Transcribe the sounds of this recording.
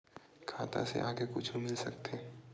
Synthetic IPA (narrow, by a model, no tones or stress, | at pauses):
kʰaːt̪ã̰sḛʔaːɡekʊt͡ʃʰumɪlsɐkt̪ʰeː